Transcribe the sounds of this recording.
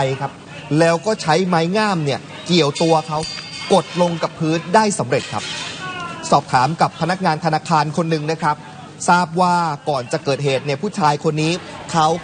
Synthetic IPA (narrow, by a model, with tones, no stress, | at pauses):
jkʰa˦˥p̚ | lɛː˦˥wkɔː˥˩t͡ɕʰa˦˥jma˦˥jŋaː˥˩mni˥˩ɐ | ki˨˩əwt̪u˧ɐkʰa˦˥wko˨˩t̪̚lo˧ŋka˨˩pʰːɯː˦˥ndaː˥˩jsa˩˦mɾe˨˩t̪̚kʰa˦˥p̚ | sɔː˨˩p̚t̪ʰaː˩˦mka˨˩pʰːa˧na˦˥k̚ŋaː˧nt̪ʰa˧naː˧kʰaː˧nkʰo˧nːɯ˨˩ŋna˦˥kʰɾa˦˥p̚ | saː˥˩p̚waː˥˩kɔː˨˩nt͡ɕa˨˩kɤː˨˩t̪̚ɦeː˨˩t̪̚ni˥˩ɐpʰuː˥˩t͡ɕʰaː˧jkʰo˧nːiː˦˥kʰa˦˥w